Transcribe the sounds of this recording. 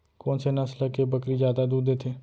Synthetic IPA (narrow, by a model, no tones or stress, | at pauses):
koːnsenəsləkebəkɾizjaːd̪ad̪uːd̪ːeːt̪ʰeː